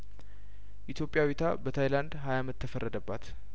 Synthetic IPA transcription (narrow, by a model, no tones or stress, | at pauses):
ʔit̪jo̞pʼːjawet̪ʰa̰bət̪ʰajland̪ɦajamət̪ʰːəfərːəd̪əbːat̪